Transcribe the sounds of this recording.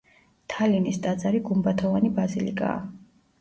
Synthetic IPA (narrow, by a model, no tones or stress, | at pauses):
t̪ʰalinist̪ʼad̪zaɾiɡumbat̪ʰɔvanibazilikʼa̰ː